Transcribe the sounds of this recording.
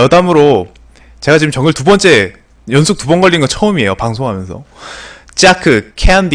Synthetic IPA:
jʌdamɯɾo | t͡ɕe̞ɡat͡ɕiɯmt͡ɕʌŋɯɭtubʌnt͡ɕ͈e̞ | jʌnsʰuk̚tubʌnɡʌɭːinɡʌt͡ɕʰʌɯmie̞jopaŋsʰoŋɦamjʌnsʰʌ̰ | t͡ɕ͈akʰɯkʰeandi

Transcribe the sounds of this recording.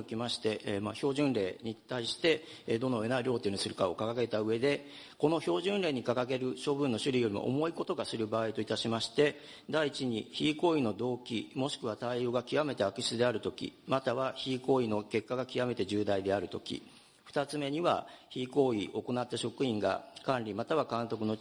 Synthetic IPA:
okʲimaɕi̥t̪e̞maço̞ːʑɨ̃nɾe̞ːɲ̟it̪aiɕi̥t̪e̞ | d̪o̞noe̞naiɾʲo̞ːt̪ːenɲisɨɾɯ̟kao̞kakake̞t̪aɯ̟e̞d̪e̞ | ko̞no̞ço̞ːʑɨ̃nɾe̞ːɲ̟ikakake̞ɾɯ̟ɕo̞bɯ̟̃nːo̞ɕɨɾʲijo̞ɾʲimo̰ʔo̰mo̞iko̞t̪o̞ɡasɨɾɯ̟baːit̪o̞it̪aɕimaɕi̥t̪e̞ | d̪aiːt͡ɕiɲ̟içiːko̞ːino̞d̪o̞ːkʲimo̞ɕi̥kɯ̟β̞at̪aio̞ːɡakʲiβame̞t̪e̞akɯ̟ɕi̥t͡sɨd̪e̞aɾɯ̟t̪o̞kʲḭmat̪aβaçiːko̞ːino̞ke̞kːaɡakʲiβame̞t̪e̞ʑɨːd̪aid̪e̞aɾɯ̟t̪o̞kʲḭ | ɸɯ̟̥t̪at͡sɨme̞ɲ̟iβa̰çiːko̞ːio̞ko̞nat̪ːaɕo̞kɯ̟ĩŋɡa̰kãnɾʲimat̪aβ̞akãnt̪o̞k̬ɯ̟no̞

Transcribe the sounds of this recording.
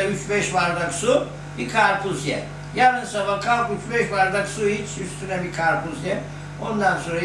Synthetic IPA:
yt͡ʃbɛʃvaɾd̪aksu | bikʰaɾt̪ʰuzjɛ̰ | jalnɯsamakʰalˠkyt͡ʃbɛʃvaɾd̪aksuhit͡ʃʰyst̪ʰynɛbikʰaɾt̪ʰuzjɛ | o̞nd̪anso̞nɾa

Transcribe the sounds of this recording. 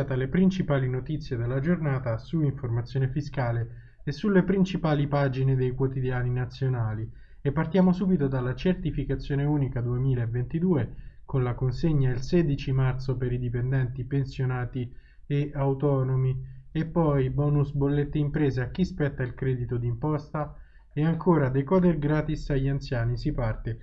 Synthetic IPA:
at̪alepɾint͡ʃipaːlinot̪it̪sːjed̪elːad͡ʒornaːt̪asuiɱformat̪sːjoːnefiskaːle | esːulːepɾint͡ʃipaːlipad͡ʒined̪ejkwot̪id̪jaːninat̪sːjonaːli | epːart̪jaːmosuːbit̪od̪alːat͡ʃert̪ifikat̪sːjoːneuːnikad̪uemiːlaevːent̪id̪uːekonlakonseɲːailsed̪it͡ʃimart̪sopeɾid̪ipend̪ɛnt̪ipensjonaːt̪i | eawt̪ɔːnomiepːɔjbɔːnusbolːet̪ːeimpɾeːzeak̟ːispɛt̪ːailkɾɛd̪it̪od̪impɔst̪a | eaŋkʰoːɾad̪ejkɔd̪erɡɾaːt̪isaʎːiant̪sjaːnisipart̪e

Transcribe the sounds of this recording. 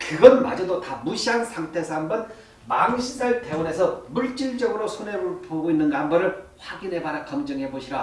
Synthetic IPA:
kɯɡʌnma̰d͡ʑʌdotamuɕʰiɦansʰaŋtʰe̞sʰʌambʌn | maŋɕʰidaɭteone̞sʰʌmuɭt͡ɕ͈iɭd͡ʑʌɡɯɾosʰoneɾuɭpʰoɡoinːɯnɡambʌɾɯɭɸwaɡinɦe̞baɾakʌmd͡ʑʌŋɦe̞boɕʰiɾa

